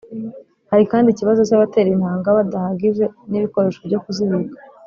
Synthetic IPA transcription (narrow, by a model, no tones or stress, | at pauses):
haɾikaːndiciβazo̞caβate̞ːɾinhaːŋɡaβadahaɡiʒe̞niβiko̞ɾe̞ːʃo̞bɟo̞kuziβikḁ